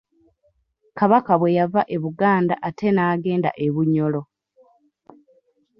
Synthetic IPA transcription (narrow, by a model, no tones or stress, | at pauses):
kaβakaβwe̞javaʔeβuɡaːndaʔatʰe̞naːɡe̞ːnda̰ʔeβuɲːo̞lo̞